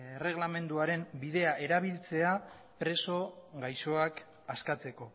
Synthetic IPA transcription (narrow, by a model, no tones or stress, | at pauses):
ere̞ɣ̞lame̞nd̪uaɾe̞mbiðe̞aʔe̞ɾaβ̞ilt͡se̞a | pɾe̞so̞ɡajso̞ak | askat͡se̞ko̞